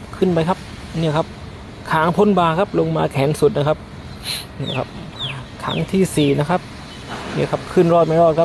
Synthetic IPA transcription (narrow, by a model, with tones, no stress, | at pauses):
kʰɯ˥˩npa˧jkʰa˦˥p̚ | ni˥˩ɐkʰa˦˥p̚ | kʰaː˩˦ŋpʰo˧˥˨nbaː˧˩kʰa˦˥p̚lo˧ŋmaː˧kʰɛː˩˦nsu˨˩t̪̚na˦˥˩kʰa˦˥p̚ | ni˧˩ɐkʰa˦˥p̚ | kʰa̰ː˩˦ŋt̪ʰiː˥˩siː˨˩na˦˥kʰa˦˥p̚ | ni˥˩ɐkʰa˦˥p̚kʰɯ˥˩nɾɔː˥˩t̪̚ma˧˥˩ɾɔː˥˩t̪̚kʰa˦˥